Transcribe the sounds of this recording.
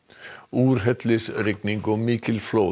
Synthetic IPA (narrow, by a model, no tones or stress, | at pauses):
uːɾɦɛt̪ʰlɪsɾɪk̚nɪŋɡoːmikʰɪlfloː